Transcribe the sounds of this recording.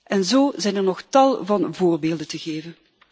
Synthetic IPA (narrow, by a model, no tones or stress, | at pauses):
ʔɛnzoːzɛjnɛrnɔxtɑlˠvɑnvoːrbeːlˠdəntəɣeːvən